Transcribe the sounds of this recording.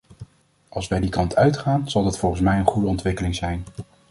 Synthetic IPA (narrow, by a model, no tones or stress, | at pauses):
ʔɑlˠsʋɛjdikɑntʰœɥtχaːnz̥ɑlˠdɑtfɔlˠχən̩smɛjənχudəɔntʋɪkəlɪŋzɛjn